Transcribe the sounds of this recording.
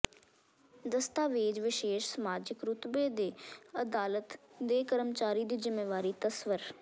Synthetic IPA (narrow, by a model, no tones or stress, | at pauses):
d̪əst̪aːʋeːd͡ʒʋɪʃeːʃsəmaːd͡ʒɪkɾʊt̪beːd̪eːəd̪aːlət̪d̪eːkəɾəmt͡ʃaːɾiːd̪iːzɪmːeːʋaːɾiːt̪əsʋəɾ